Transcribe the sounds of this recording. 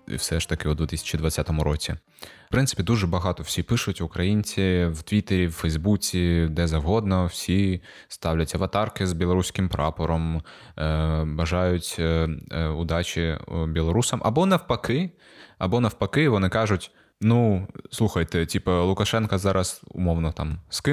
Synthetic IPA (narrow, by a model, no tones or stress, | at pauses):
ḭwsɛʃt̪ɐkɪud̪ʋʲɪt̪ɪsʲɐ̥t͡ʃid̪ʋɐt͡sʲːat̪ɔmʊɾɔt͡sʲi | pɾɪnsɪ̥pʲd̪uʒɛbɐɦɑt̪ɔwsʲipɪʃʊtʲʋʊkɾɐjinʲt͡sʲiwt̪ʋʲit̪eɾʲiwfɛjzbut͡sʲid̪ɛzɐwɦɔd̪nɔwsʲi | st̪ɑwlʲɐt͡sʲɐʋɐt̪ɑrkɪzbʲɪlˠɾusʲkɪmpɾɑpɔɾɔm | bɐʒɑjʊtʲ | ʊd̪ɑt͡ʃʲibʲilˠɔɾusɐmʔɐ̰bɔnɐwpɐkɪ | ɐ̰bɔnɐwpɐkɪʋɔnɪkɑʒʊtʲ | nuslˠuxɐjt̪ɛtʲipɐlˠʊkɐʃɛnkɐzɑɾɐsʊ̰mɔwnɔt̪ɑmskɪ